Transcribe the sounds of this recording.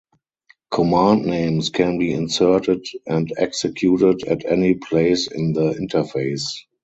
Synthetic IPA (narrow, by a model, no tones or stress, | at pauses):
kʰɔmãːndnẽɪ̃mskʰɛ̃nbiːɪ̃nsɜ˞tɪdʔɛ̃ndɛksɛkʰjuːtɪdætʰɛnipʰleɪsɪ̰̃nðəɪ̃ntʰəfeɪs